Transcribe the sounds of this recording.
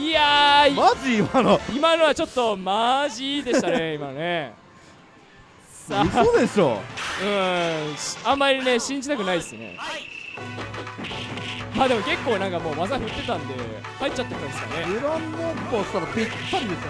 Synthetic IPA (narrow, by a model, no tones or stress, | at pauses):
iaimaʑiːmanoimano̞βat͡ɕo̞t̪ːo̞maʑid̪e̞it̪ane̞imanone̞ | aod̪eɕo̰ɯ̟̃ːɕãmːaɾʲine̞ɕĩɲ̟d͡ʑit̪akɯ̟naid̪esɨne̞̰ | maːd̪e̞mo̞ke̞kːo̞ːnãŋkamo̞ːmazaɸɯ̟t̪ːe̞t̪ãnd̪e̞̰ | haitt͡ɕːt͡ɕːat̪ːet̪ãnd̪eskaɾne̞iɾõnːokoɕt̪aɾat̪ekʲi̥kːaɾʲĩd̪es